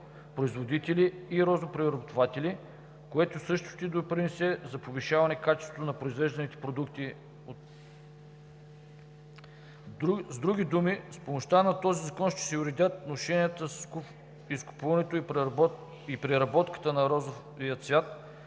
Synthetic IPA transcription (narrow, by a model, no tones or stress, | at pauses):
pɾoizvod̪it̪ɛliːɾɔzopɾiɾɐbot̪ovat̪ɛli | koɛt̪ʊsɤʃt̪ʊ̥t̪id̪opɾinɛsɛzɐpoviʃavɐnɛkat͡ʃɛ̥st̪vot̪ʊnɐpɾoizvɛʒd̪ɐnit̪ɛ̥pɾod̪ukt̪i | o | zd̪ɾuɡʲid̪umispomoʃt̪anɐt̪ɔzizɐkɔnʃt̪ɛ̥sɛuɾɛd̪ʲat̪noʃɛniət̪ə | iskʊ̥puvɐnɛt̪oi | ipɾɛɾɐbɔt̪kə̥t̪ənɐɾɔzo | viət̪svʲjat̪